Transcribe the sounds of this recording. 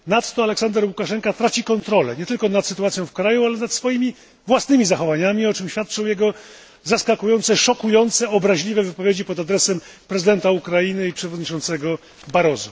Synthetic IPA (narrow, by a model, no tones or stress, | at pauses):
nat̪t̪ɔalɛksand̪ɛɾwukaʂɛŋkat̪ɾat͡ɕikɔnt̪ɾɔlɛ̰ɲɛt̪ɘlkɔnat̪sɘt̪uat̪sjɔ̃w̃fkɾajualɛnat̪sfɔjimʲi | vwasnɘmʲizaxɔvaɲamʲiɔt͡ʂɘmɕfʲjat̪̚t͡ʂɔ̃w̃jɛɡɔ | zaskakujɔnt̪sɛʂɔkujɔnt̪sɛɔbɾaʑlʲivɛvɘpɔvʲjed͡ʑipɔd̪ad̪ɾɛsɛmpɾɛzɘd̪ɛnt̪aukɾajinɘipʂɛvɔd̪ɲit͡ʂɔnt̪sɛɡɔ | baɾɔzu